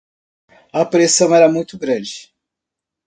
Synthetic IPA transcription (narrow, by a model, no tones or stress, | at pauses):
ɐpɾesɐ̃w̃ɛɾɐmũj̃t̪ʊɡɾɐ̃d͡ʒɪ